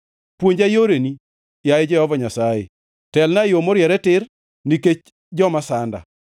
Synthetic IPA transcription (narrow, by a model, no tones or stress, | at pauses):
pwoɲd͡ʒajoɾeni | jaɪd͡ʒɛhɔvɔɲasaḛ | tɛlnajomoɾjɛɾɛtɪr | niket͡ʃ | d͡ʒɔmasanda̰